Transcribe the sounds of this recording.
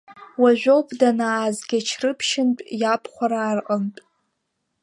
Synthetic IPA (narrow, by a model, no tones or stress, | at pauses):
waʒʷᶣowpʰdanaːzɡʲat͡ʃʰrɨpʰʃɪntʼjapʰχʷaɾaːrqʼəmtʼ